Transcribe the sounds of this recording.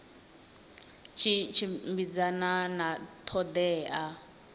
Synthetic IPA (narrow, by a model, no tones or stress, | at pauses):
t͡ʃʰit͡ʃʰimbid͡zananat̪ʰɔd̪ɛːʔa